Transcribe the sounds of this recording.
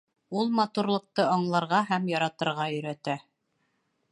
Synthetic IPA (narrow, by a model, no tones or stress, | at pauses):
ulˠmɑt̪uɾlˠɤ̆q̚t̪ɤɑɴlˠɑɾʁɑɦæmjɑɾɑt̪ɤ̆ɾʁɑɵ̆ɾæt̪æ